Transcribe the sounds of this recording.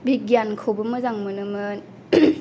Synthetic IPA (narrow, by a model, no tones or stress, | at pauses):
biɡijankʰowbɯmɐzaŋmɯnɯmɯn